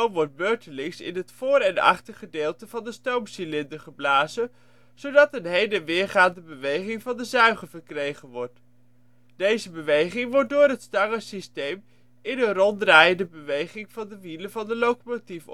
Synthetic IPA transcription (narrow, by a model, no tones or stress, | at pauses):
mʋɔɹt̚møːɹtəlɪŋsɪ̰nətfʊːɾɛnɑ̰χtəχədɪːlˠtəvɑndəstowmsilɪndəɹχəblaːzə | z̥owdɑtənɦejdəʋɪːɹχaːndəbəʋejχɪŋvɑndəzœɥχəvəɹkrejχənʋɔɹt | d̥ejzəbəʋejχɪŋʋɔɹt̚dʊːɹɦətstɑŋəsistejm | ɪnənrɔndraːjəndəbəʋejχɪŋv̥ɑndəʋiləvɑndəlowkomotif